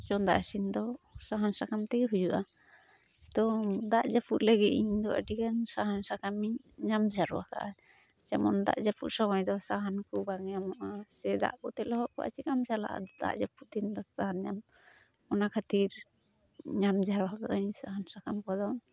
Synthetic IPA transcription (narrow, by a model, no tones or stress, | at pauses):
t͡ʃɔnd̪a̰ʔasind̪ɔsaɦansakamt̪ɛɦujuʔa | t̪ɔd̪aʔd͡ʒapuʔ̪ləɡit̪iɲd̪ɔʔə̰ɖikansaɦansakamiɲ | ɲamd͡ʒʱaɾɔwaka̰ʔa | d͡ʒɛmɔnd̪a̰ʔd͡ʒapṵʔ̪sɔmajd̪ɔsaɦankubaŋɲamɔʔasɛd̪a̰ʔkɔt̪ɛlɔɦɔʔkɔ̰ʔa̰t͡ʃikamt͡ʃala̰ʔa̰d̪d̪a̰ʔd͡ʒaput̪ind̪ɔsaɦanɲam | ɔnakʰat̪iɾ | ɲamd͡ʒʱaɾɔwakaʔaɲsaɦansakamkɔd̪ɔ